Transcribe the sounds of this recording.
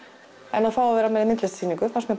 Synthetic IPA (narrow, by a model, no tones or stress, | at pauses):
ɛnaðfaːwavɛːɾamɛðɪmɪnt̪lɛst̪ʰiːniŋkʏfansmjɛ